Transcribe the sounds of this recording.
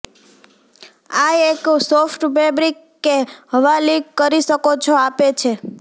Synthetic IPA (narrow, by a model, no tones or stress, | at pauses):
aeksofʈbebɾikːeɦəʋaliɡkəɾiʃəkot͡ʃʰoapet͡ʃʰe